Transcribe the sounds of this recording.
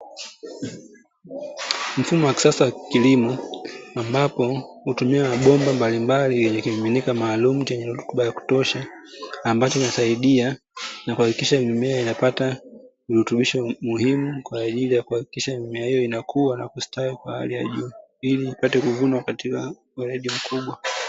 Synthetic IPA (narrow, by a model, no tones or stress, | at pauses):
m̩fumɔwaki̥sasawakilimɔambapɔhutumiaaɓɔmbambalimbalijɛɲɛkiiminikamaːlumut͡ʃɛɲɛɾutuɓajaku̥tɔʃaː | mbat͡ʃɔkinasaiɗia | nakuhakikiʃamnumɛainapata | iɾutuɓiʃɔmuhimukwaːʄilijakuhaki̥kiʃamumɛahijɔinakʰuwanakustawikwaha̰lija̰ʄuː | iliːpatɛkuvunwakatika | uɾɛɗim̩kʰuɓwa